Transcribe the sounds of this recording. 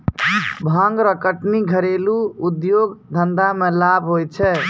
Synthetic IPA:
bʱãŋɡɾəkəʈniɡʱəɾeluud̪joɡd̪ʱənd̪amẽlabʱɦojt͡ʃʰɛ

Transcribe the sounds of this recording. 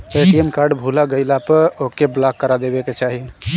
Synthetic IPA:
eʈiemkaɾɖbʱulaɡəjlapəɾokeblakːəɾad̪ebeket͡ʃaɦi

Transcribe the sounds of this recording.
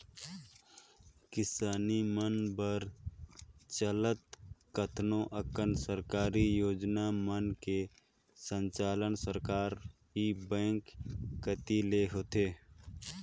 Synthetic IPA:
kɪsaːnimənbəɾ | t͡ʃələt̪̚kət̪ʰnõʔəkənsəɾkaːɾijoːd͡ʒnamənke | sə̃ɲt͡ʃaːlənsəɾkaːɾɦibɛ̃ːŋkːət̪ileɦoːt̪eː

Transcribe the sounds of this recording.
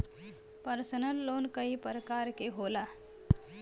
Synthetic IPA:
pəɾsənəlːonkəipəɾəkaɾkeɦola

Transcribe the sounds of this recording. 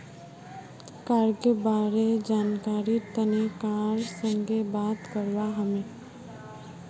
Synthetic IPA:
kaːɾɡebaːɾed͡ʒaːnkaːɾit̪ənekaːɾsə̃ŋɡebaːt̪kəɾʋaɦəmẽ

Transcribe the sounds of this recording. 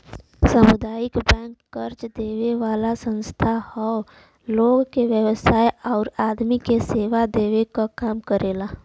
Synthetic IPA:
səmʊd̪aːjɪkbɛ̃ːŋkːəɾt͡ʃd̪eːweʋaːlasə̃nst̪ʰahɔ | loːɡkeʋjəwəsaːeɔːɾaːd̪mikeseːʋad̪eːʋekakaːmkəɾeːlaː

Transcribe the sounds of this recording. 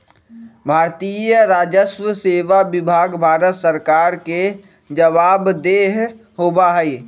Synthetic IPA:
bʱaːɾt̪ijəɾaːd͡ʒəswəseːʋabɪbʱaːɡbʱaːɾət̪səɾkaːɾke | d͡ʒəʋaːbd̪eːɦ | ɦoːbaɦɛi

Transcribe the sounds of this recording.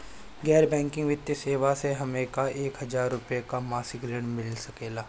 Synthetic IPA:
ɡɛːɾbɛ̃ːŋkɪ̃ŋɡʋɪt̪jəseːʋaseɦɐmeːkaʔeːkɦɐzaːɾːʊpjekamaːsɪkɾeːɽmɪlsɐkeːlaː

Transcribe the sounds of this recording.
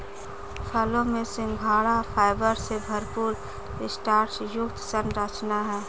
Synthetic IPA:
fʰəlõmẽsɪ̃ŋɡbʱaːɽafʰaːɪbəɾsebʱɐɾpuːɾ | ɪsʈaːɾʈsjʊkt̪sənɾət͡ʃnaɦɛː

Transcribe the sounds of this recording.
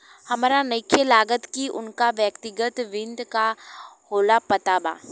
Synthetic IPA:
hɐmaɾanəkʰːəlaːɡət̪kiʊnkaʋjəkt̪ɪɡət̪ʋɪ̃nd̪kahoːlapɐt̪aba̰ː

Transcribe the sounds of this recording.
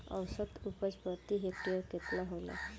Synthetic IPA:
ʌ̰wsət̪upəd͡ʒpɔt̪iɦeʈiɔket̪laɦola̰

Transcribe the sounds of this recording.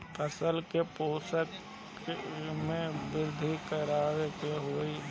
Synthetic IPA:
əsəlkepoːsək | mẽbɪɾd̪ʱikəɾaːɾekeɦoːi

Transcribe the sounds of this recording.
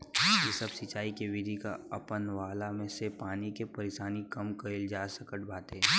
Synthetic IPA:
jesəbsɪt͡ʃaːikeʋɪd̪ʱika̰ɐpənʋaːlamẽsepaːnikepɐɾeʃaːnikɐmkɐɪld͡ʒaːsɐkəʈ̚bʱaːt̪ɦɛː

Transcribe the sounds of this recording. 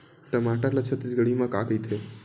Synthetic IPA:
ʈəmaʈəɾlət͡ʃʰət̪isɡəɽimãkakəjt̪ʰe

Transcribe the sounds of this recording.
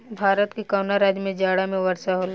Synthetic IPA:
bʱaːɾət̪kikawnaɾaːd͡ʒmẽd͡ʒaːɽamẽʋɐɾsaɦoːl

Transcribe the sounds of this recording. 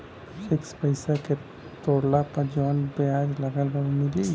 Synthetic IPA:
sɪkspəɪsake | t̪oːɽlapəɾd͡ʒɔːnbjad͡ʒləɡəlbəɾmɪli

